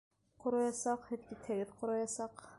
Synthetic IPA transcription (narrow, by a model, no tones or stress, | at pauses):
qŏɾɑjɑsɑqhɘt̪kit̪ʰæɡɘðqʰŏɾɑjɑsɑq